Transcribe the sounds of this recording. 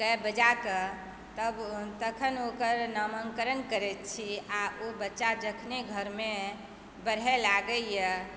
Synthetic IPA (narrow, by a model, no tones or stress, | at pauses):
kəbəd͡ʒakə | t̪əbt̪əkʰənokəɾnəməŋkəɾənkəɾɛt̪t͡ʃʰiaʔobətːʃad͡ʒəkʰneɡʱəɾme | bəɽ̤ɛlaɡəjə